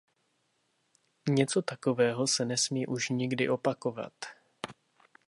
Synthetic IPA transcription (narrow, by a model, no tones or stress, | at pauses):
ɲɛt͡so̞t̪ako̞vɛːɦo̞sɛnɛsmiːʔuʃɲɪɡdɪʔo̞pako̞va̰t̪